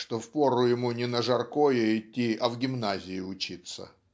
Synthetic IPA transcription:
ʂt̪ofpoɾʊjɪmunʲɪnəʐɐrkojeɪtʲːiɐvɡʲɪmnazʲɪɪʊt͡ɕit̪sə̰

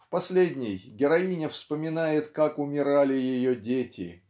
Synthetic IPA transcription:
fpɐsʲlʲedʲnʲɪjɡʲɪɾɐinʲɪfspəmʲɪnajɪt̪kakʊmʲɪɾalʲɪjɪjodʲetʲʰɪ̰

